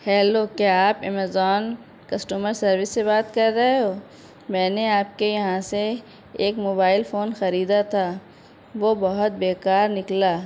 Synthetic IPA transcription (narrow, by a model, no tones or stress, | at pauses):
hɛːloːkjaːaːpɛmezɔːn | kɐsʈuːməɾsɐɾʋɪsːebaːt̪kɐɾːɐɦeɦoː | mɛ̃ːneaːp̚kejɐɦãseː | kmoːbaːɪlfoːnxɐɾiːd̪at̪ʰaː | ʋobɐɦʊt̪̚beːkaːɾnɪklaː